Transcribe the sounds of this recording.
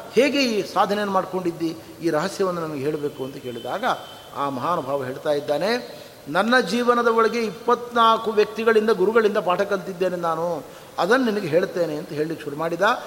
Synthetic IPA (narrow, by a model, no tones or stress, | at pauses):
heːɡe̞iːsaːd̪ʱɐnejɐnːumaːɖko̞ɳɖid̪ːi | iːɾɐɦɐsjɐʋɐnːunɐmɐɡeɦeːɭbe̞ːkuɐnt̪ɐke̞ːɭid̪aːɡɐ | aːmɐɦaːnɐbʱaːʋɐɦe̞ːɭt̪aːjid̪ːaːne̞ | nɐnːɐd͡ʒiːʋɐnɐd̪ɐɔɭɐɡe̞ipːɐt̪ːnaːlɐkuʋjɐk̚t̪iɡɐɭind̪ɐɡuɾuɡɐɭind̪ɐpaːʈʰɐkɐlt̪id̪ːe̞ːnenaːnu | ɐd̪ɐnːɐninɐɡeɦe̞ːɭt̪ːeːneɐnt̪ɐɦe̞ːɭilikːʃuɾumaːɽid̪a